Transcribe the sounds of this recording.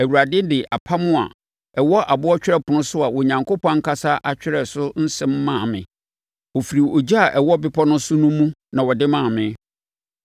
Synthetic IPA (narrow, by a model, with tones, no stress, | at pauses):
æ˨wu˨ɾa˨dɪ˦n˦dɪ˨ʔa˨pʰa˦mʊ̃˦a̰˨ | ɛ˨wɔ˦ʔa˨bʊ˦ɔ˦t͡ɕᶣɪ˦ɾɛ˦pʰʊ˨nʊ̃˦sʊ˦a˨wɔ˨ɲã˨ŋkʰo˦pʰɔ̃˦ŋ̩˦kʰa˦sa˦ʔa˨t͡ɕᶣɪ˦ɾɛ˨sʊ˦n̩˦sɛ̃˦mː˦ã˦˨mɪ̰̃˨ | wo˨fi˨ɾi˨o˨d͡ʑi˦a˨ʔɛ˨wɔ˦bɪ˦pʰɔ˦nʊ̃˦sʊ˦nũ˦mũ˦nã˨wɔ˨dɪ˦mãː˦˨mɪ̃˦